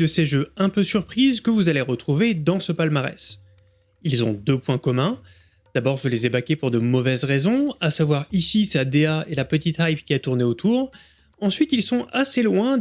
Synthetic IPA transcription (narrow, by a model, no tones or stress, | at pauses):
əseʒøɛ̃pøsyʁpχizkəvuzaleʁət̪χuved̪ɑ̃səpalmaʁɛ̰s | ilzɔ̃d̪øpwɛ̃kɔmɛ̃ | d̪̥abɔʁʒəlezebakʲepuʁd̪əmɔvɛzʁezɔ̃asavwaʁisisad̪eaelapət̪it̪ajpkʲiɛt̪uʁneot̪ʰuːʁ | ɑ̃sɥit̪ilsɔ̃aselwɛ̃